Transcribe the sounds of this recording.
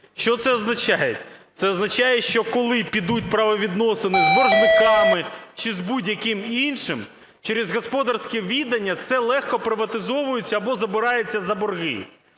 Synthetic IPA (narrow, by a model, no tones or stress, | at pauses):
ʃt͡ʃɔt̪sɛɔznɐt͡ʃajḛt̪sɛɔznɐt͡ʃɑjɛʃt͡ʃɔkɔlˠɪpʲid̪ut̚ʲpɾɐʋɔʋʲid̪nɔsɪnɪzbɔrʒnɪkɑmɪt͡ʃɪzbudʲjɐkɪminʃɪm | t͡ʃeɾɪzɦɔspɔd̪ɐrsʲkɛʋʲid̪ɐnʲːɐt̪sɛlˠɛxkɔpɾɪʋɐt̪ɪzɔʋʊjʊt͡sʲːɐɐbɔzɐbɪɾɑjɛt͡sʲːɐzɐbɔrɦɪ̰